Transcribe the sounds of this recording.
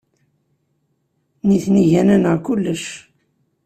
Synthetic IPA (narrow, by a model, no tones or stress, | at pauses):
niθniʝænænəʁkulːəʃ